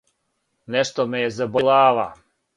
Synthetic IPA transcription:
neʃt̪omejezabolaːʋa

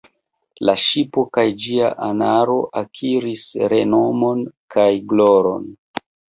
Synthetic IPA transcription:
laʃipo̞kajd͡ʒia̰ʔanaɾo̞ʔakʰiɾisɾe̞no̞mo̞nkajɡloɾo̞̰n

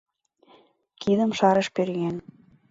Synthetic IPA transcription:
kid̪ə̆mʃɑɾə̆ʃpøɾɣen

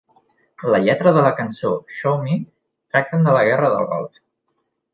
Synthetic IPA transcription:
ləʎɛt̪ɾəðələkənsoʃomi | t̪ɾak̚t̪ənd̪ələɣɛrəðə̰lˠɣɔ̰lˠt̪

